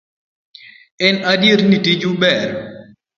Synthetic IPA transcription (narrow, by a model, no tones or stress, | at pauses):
ɛnadjeɾnitid͡ʒubɛɾ